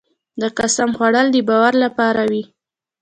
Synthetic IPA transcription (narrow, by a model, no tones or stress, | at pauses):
d̪əqasamxwaɽəld̪əbɑwaɾlapɑɾawi